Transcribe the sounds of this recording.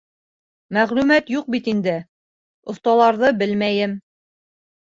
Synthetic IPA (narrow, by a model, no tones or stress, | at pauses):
mæʁlʉmæt̪juq̚bit̪ind̪ɘ | ŏθt̪ɑlˠɑɾðɤbɘlmæjɘm